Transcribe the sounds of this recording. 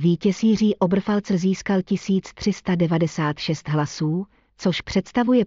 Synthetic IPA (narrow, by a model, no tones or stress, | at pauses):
viːcɛsiːr̝iːʔobr̩falt͡sɛziːskalcɪsiːt͡st̪r̝̥ɪst̪adɛvadɛsaːt̪ʃɛst̪ɦlasuː | t͡soʃpr̝̥ɛt̪st̪avujɛ